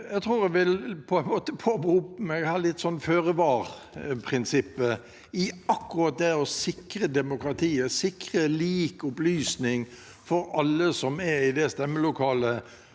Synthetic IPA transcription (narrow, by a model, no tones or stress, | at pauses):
jæɡt̪ʰɾuːɾæɡʋɪlpʰɔɛnmoːt̪əpʰobɾuːpmæɡhɑːlɪt̪ːsɔnːføːʁəʋɑːʁ | pʰɾɪnsɪpːə | ɪɑkːʊʁɑːt̪̚d̪ɛɔsɪkɾəd̪ɛmʊkɾɑt̪ʰiːəsɪkɾəliːkʊplyːsnɪŋ | fɔɾɑlːəsɔmɛɪd̪ɛst̪ɛmːəlʊkʰɑːlə